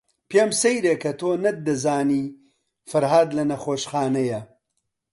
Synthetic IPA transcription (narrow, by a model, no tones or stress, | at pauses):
pemsɐjɾeːkɐt̪ʰoːnɐd̪ɐzaːniː | fɐɾɦaːd̪lɐnɐxoːʃxaːnɐjɐ